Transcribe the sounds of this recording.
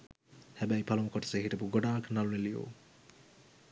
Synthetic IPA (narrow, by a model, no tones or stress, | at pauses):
hæbæjpʰalumkoʈɐ̥səɦiʈəbuɡoɖaːknalunelijo̰ː